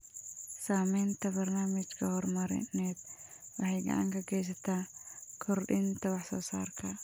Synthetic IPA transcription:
saːmɛnt̪ʰɐbɐrnaːmɪt͡ʃkʰɐhɔrmɐɾɪ̰nɛːd̪ | wɑħɑjɡɐ̰ʕa̰ŋkʰɐɡɛjs̬ɐt̪ʰaːkʰɔrɗɪnt̪ʰɐwɑħsɔːsa̰ːrkʰɐ

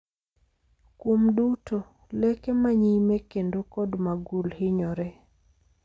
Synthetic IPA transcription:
kwomduto | lɛkɛmaɲimɛkendokɔdmaɡulhɪɲɔɾɛ

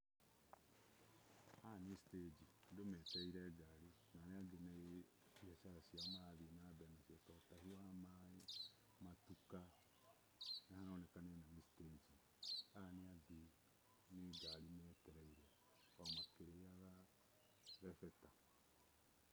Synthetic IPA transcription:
anesi̥ted͡ʒindomɛtɛiɾɛɡaɾi | naneaɡene | iaʃaɾasjamaðenabɛnasjatɔtahiwamae | matuka | nahanaonɛkanenanesi̥teːd͡ʒi | aneaɡi | neɡalimekɛɾaiɾɛ | ɔmakeɾejaɣa | ɾɛfɛta

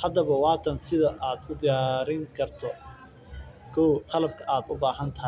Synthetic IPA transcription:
hɐd̪ɐβɐwɑːt̪ʰɐnsɪðɐʔaːd̪ʊd̪ɪjaːɾɪŋkʰɐrt̪ʰɔ | kʰɔwqɑlɐbkʰɐʔaːd̪ʊbaːɦɐnt̪ʰɐɦ

